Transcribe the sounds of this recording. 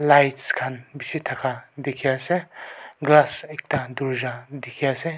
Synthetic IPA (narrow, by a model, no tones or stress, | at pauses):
lajtskʰanbisit̪ʰakʰad̪ekʰiaseɡlasek̚t̪ad̪uɾd͡ʒad̪ekʰiase